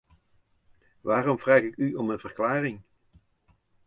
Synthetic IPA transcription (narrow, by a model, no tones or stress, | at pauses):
ʋaːrɔmvraːχɪkyɔmənvərklaːrɪŋ